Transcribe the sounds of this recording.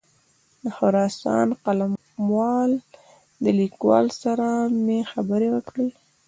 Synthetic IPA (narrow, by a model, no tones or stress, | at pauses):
d̪əxʊɾɑsɑ̰nqalam | wɑl | d̪əlikwɑ̰lsaɾamexabəɾewəkɽe